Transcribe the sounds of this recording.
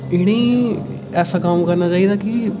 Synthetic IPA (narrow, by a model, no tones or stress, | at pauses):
ɪɽ̃iː | ɛːsaːkaːmkəɾnaːt͡ʃaːiːd̪aːkɪ